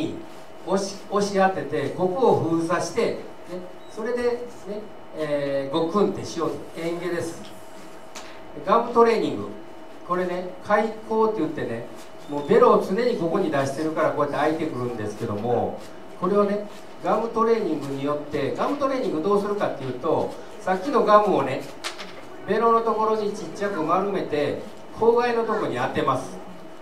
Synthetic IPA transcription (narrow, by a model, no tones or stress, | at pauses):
i | oɕi̥ | o̞ɕiat̪ːe̞t̪e̞ɡo̞kɯoɸɯ̟ːzaɕi̥t̪e̞ | ne̞ | so̞ɾe̞d̪e̞ | ne̞ː | ɡo̞kɯ̟̃nt̪ːe̞ɕijo̞ːt̪oẽ̞ŋɡe̞d̪e̞sɨ̥ | ɡamɯ̟t̪o̞ɾe̞ːɲ̟ĩŋɡɯ̟̰ | ko̞ɾe̞ne̞kʰaiko̞ːt̪ːe̞jɯ̟t̪ːe̞ne̞ | mo̞ːbe̞ɾo̞ːt͡sɨne̞ɲ̟iko̞ko̞ɲ̟id̪aɕi̥t̪e̞ɾɯ̟kaɾakoːjat̪ːeait̪e̞kɯ̟ɾɯ̟̃nd̪e̞sɨ̥ke̞d̪o̞̰mo̞̰ | ko̞ɾe̞βane̞ | ɡamɯ̟t̪o̞ɾe̞ːɲ̟ĩŋɡɯ̟ɲ̟ijo̞t̪ːe̞ɡamɯ̟t̪o̞ɾe̞ːɲ̟ĩŋɡɯd̪o̞ːsɨɾɯ̟kat̪ːe̞jɯ̟ːt̪o̞ | sakʲːino̞ɡamɯ̟one̞ | be̞ɾo̞no̞t̪o̞ko̞ɾo̞ɲ̟it͡ɕit͡ɕːakɯ̟maɾɯme̞t̪e̞ | kʰo̞ːɡaino̞t̪o̞koɲ̟iat̪e̞masɨ̥